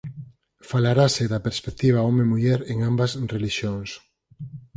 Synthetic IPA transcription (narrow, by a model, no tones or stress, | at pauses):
falaɾaseðapeɾspek̚t̪iβ̞aomemuʎɛɾeŋambasreliʃjoŋs